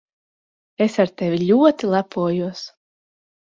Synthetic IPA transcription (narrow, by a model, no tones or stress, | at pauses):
esaɾt̪ɛvʲilʲuɔt̪ilˠapʰuɔjuɔs